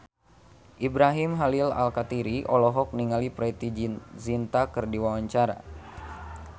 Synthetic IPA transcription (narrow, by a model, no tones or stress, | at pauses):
ʔibɾaɦimɦalila̰lkat̪iɾiʔɔlɔɦɔk̚niŋalipɾɛt̪izint̪akɨrdiwawaɲt͡ʃaɾa̰